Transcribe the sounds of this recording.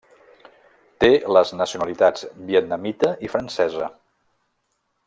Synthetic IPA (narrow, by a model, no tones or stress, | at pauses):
t̪eləznəsiunəlit̪ad͡zbiət̪̚nəmit̪əifɾənsɛzə̰